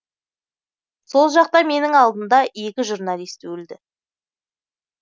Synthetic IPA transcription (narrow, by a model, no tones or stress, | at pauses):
so̞lˠʒɑq̚t̪ɑme̞nɪŋɑlˠd̪ənd̪ɑje̞kʲɪʒuɾnɑlˠijst̪wɵld̪ɪ